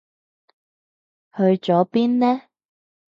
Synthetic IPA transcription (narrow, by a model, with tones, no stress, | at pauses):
hɵ˧ɥt͡ʃɔː˨˥piː˥nlɛː˥